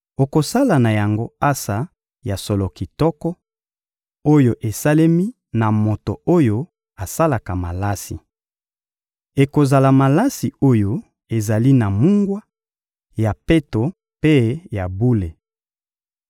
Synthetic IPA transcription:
o˨ko˨sa˦la˨na˨ja˨ŋɡo˦a˦sa˨ | ja˨so˨lɔ˨ki˨tɔ˦kɔ˦ | o˦jo˨ʔe˨sa˦le˦mi˦ | na˨mo˨to˨o˦jo˦ | a˨sa˦la˨ka˨ma˨la˦sḭ˨ | e˨ko˨za˨la˨ma˨la˦si˨o˦jo˦ | e˨za˨li˦na˨mu˦ŋɡwa˦ | ja˨pe˦to˨ | pe˦ja˨bu˦le˨

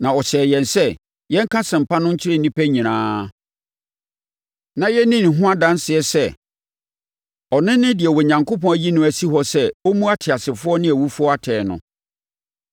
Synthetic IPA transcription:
nã˨ɔ˨ɕɛː˨jɛ̃˨nsɛ˦ | jɛ˦ŋ̩˦kʰã˦sɪ̃˨m̩˨pʰa˦nʊ̃˦ɲ̩˦t͡ɕʰɪ˦ɾɪ˦˨n˨nĩ˦pʰæ˦ɲĩ˨nãː˦ | nã˨jɛ˦nĩ˦n˨ɦʊ̃˦a˦dã˦n˦sɪ˨ɛ˦sɛ˦ | ɔ˨nɪ̃˦nɪ̃˦dɪ˨ɛ˨wɔ˨ɲã˨ŋkʰo˦pɔ̃˨˦æ˨ji˦nʊ̃˨˦æ˨si˦ɦɔ˦sɛ˦o˦mũ˦a˦tʰɪ˨a˨sɪ˨fʊ˦ɔ˦nɪ̃˦æ˨wu˦fu˦ɔ˦a˦tʰɛː˨nʊ̰̃˨

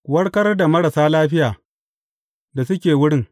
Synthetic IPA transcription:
kwɐ˦ɽkɐ˦rda˨mɐ˦ɽa˨saː˦laː˦ɸɪ˦jaː˨ | da˨sʊ˦kʲeː˨wʊ˦ɽɪ˦ŋ

